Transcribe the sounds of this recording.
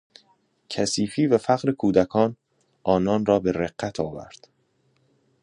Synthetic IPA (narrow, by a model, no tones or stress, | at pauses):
cʰæsiːfiːvæfæɣɾekʰuːd̪ækʰɒːn | ʔɒːnɒːnrɒːbe̞ɾeɢːæt̪ʰɒːvæ̰ɾd̪̥